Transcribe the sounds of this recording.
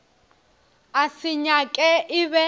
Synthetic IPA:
asiɲakʼɛʔiβɛ

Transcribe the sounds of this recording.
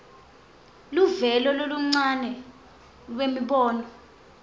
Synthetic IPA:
luvɛlɔloluŋ͡ǀanɛ | lwemiɓɔːnɔ

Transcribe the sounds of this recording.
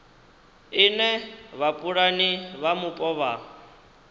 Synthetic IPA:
ɪnɛβapʼuɺaniβamupʼɔβa

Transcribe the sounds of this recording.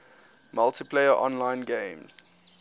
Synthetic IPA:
maltipʰleɪəʔɔ̰̃nlãɪ̃nɡẽɪ̃mz̥

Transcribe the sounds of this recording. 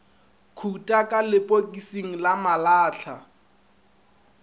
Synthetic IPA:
kʰutʼakʼalɪpʼokʼisiŋ̩lamalaːɬʰa

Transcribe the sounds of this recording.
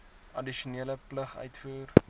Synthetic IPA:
ɐdiʃuniələpləχœ̰ɥtfuːr

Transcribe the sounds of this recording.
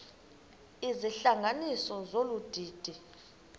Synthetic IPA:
iziɬaŋɡʱanisɔzolud̥ʱiːd̥ʱi

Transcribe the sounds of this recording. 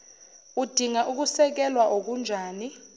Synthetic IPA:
ud̥ʱiŋaʔuk̬usɛk̬ɛlwaʔok̬und͡ʒʱaːni

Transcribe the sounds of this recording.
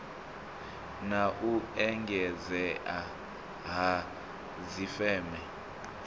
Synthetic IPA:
naʔuɛŋɡʱɛzɛʔa | ɦa | zifɛːmɛ

